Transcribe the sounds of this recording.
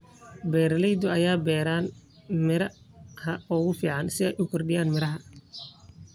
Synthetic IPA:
bɛːɾɐlɛjd̪ʊɐjaːbɛːɾaːn | mɪɾɐ | hɐɔːɣʊfiːʕɑnsɪɛjʔɪŋkʰʊrɖɪjaːnmɪɾɐɦɐ

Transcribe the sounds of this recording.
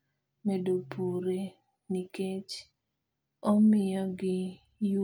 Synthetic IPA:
medopʰuɾe | niket͡ʃ | ɔmɪjɔɡɪ | j

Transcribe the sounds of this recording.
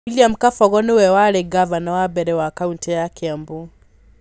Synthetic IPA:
iliam̩kafɔɣɔnɪwɛwaɾɛɡavanawabɛɾɛwakauntɛjakɛambo

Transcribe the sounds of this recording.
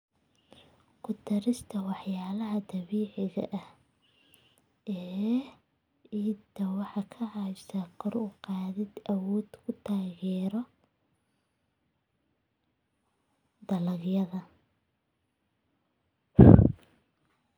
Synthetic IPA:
kʰʊt̪ʰɐɾɪst̪ʰɐwɑħjaːlɐɦɐd̪ɐβiːʕɪɣɐ̰ʔɐh | ɛː | iːt̪ʰːɐwɑħɑkʰɐʕɑsɐqɔɾʊqɑːðɪd̪ʔɐwɔːd̪̥kʰʊt̪ʰaːɣɛːɾɔ | d̪ɐlɐɣjɐðɐ

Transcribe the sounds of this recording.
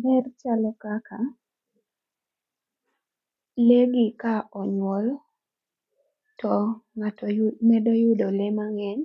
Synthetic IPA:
bɛrt͡ʃalɔkaka | leɡɪkaʔɔɲwɔl | tɔŋatmɛdɔjʊdɔlemaŋɛɲ

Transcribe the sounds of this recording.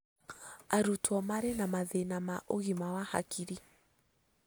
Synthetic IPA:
aɾutwɔmaɾɛnamaðenamaʔoɣimawaha̰kʰiɾi

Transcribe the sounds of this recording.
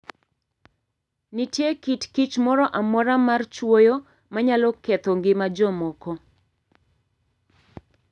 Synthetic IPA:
nɪtjekitkit͡ʃmɔɾɔʔamɔɾamart͡ʃwojo | maɲalɔkɛt̪ɔŋɡɪmad͡ʒɔmɔkɔ

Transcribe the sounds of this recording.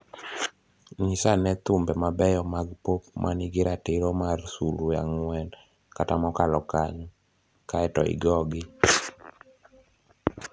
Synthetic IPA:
ŋisanɛt̪ʊmbɛmabɛjɔmaɡpopmʔanɪɡɪɾatɪɾomarsuluja̰ŋwɛn | katamɔkalɔkaɲɔ | kaɛtɔ̰ɪ̰ɡɔɡɪ

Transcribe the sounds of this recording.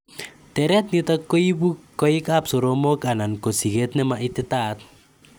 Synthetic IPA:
tɛɾɛt̪nitakːoibukːoikapsoɾomokanankosiɡet̪nɛmaʔitɪtat̪̚

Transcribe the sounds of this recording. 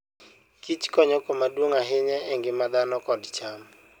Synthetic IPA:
kit͡ʃkɔɲɔkɔmadwoŋaɦɪɲɛɛŋɡɪmad̪anɔkɔdt͡ʃam

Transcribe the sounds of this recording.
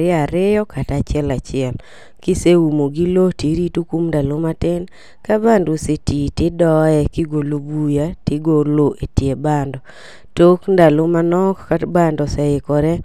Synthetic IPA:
ɾɪaɾɪjɔkʰatat͡ʃɪɛlat͡ʃɪɛl | kɪseumoɡiloteɾitukumndalomatɪn | kabandosetitɪdɔɛkɪɡolobujatɪɡoloʔetjebandɔ | tokndalomanɔkkatbandɔsaɪkɔɾɛ

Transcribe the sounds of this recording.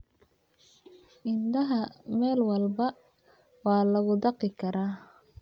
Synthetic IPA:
ʔɪnd̪ɐɦɐmɛːlwɑlbɐ | wɑːlɐɣʊd̪ɑqɪkʰɐɾaː

